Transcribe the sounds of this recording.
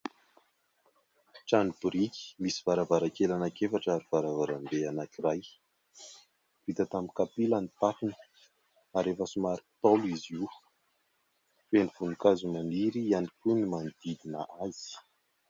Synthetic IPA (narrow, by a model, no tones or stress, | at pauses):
ʈ͡ʂanibuɾikʲi̥misiv̥aɾavaɾakelanakefaʈ͡ʂaɾiv̥aɾavaɾambeanakiraj | v̥it̪ət̪amikapilanit̪afinə̥ | aɾefəsumaɾikt̪oluiziw | feniv̥unukazumaniɾianikʲunimand̪̥id̪inaʔaz̥i̥